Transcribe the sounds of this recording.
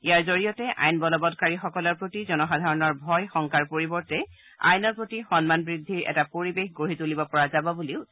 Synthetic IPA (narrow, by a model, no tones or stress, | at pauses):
ijaɹzoɹijɔtɛʔa̰jnbɔlɔbɔdkaɹixɔkɔlɔɹpɹotizɔnɔxadʱaɹɔnɔɹbʱɔjxɔŋkaɹpoɹibɔɹtɛ | a̰jnɔɹpɹotixɔnmanbɹidʱːiɹɛ̰tapoɹibexɡoɹitulibɔpɔɹazabɔbuliʊ